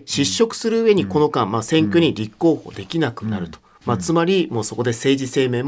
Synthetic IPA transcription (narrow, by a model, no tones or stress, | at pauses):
ɕiɕːo̞kɯ̟̥sɨɾɯ̟ɯ̟e̞ɲ̟iko̞no̞kãmmasẽ̞ŋkʲo̞ɲ̟iɾʲikːo̞ːho̞̰ːd̪e̞kʲinakɯ̟naɾɯ̟t̪o | mat͡sɨmaɾʲimo̞ːso̞ko̞d̪e̞se̞ːʑise̞ːme̞ːm